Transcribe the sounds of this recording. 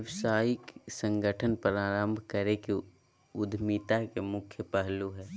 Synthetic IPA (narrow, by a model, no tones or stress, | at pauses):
ʋsaːjiksə̃ŋɡʱəʈʰənpəɾaːɾəmbʱkəɾeke | ʊd̪ʱmit̪akemʊkʰjəpɛɦluɦɛː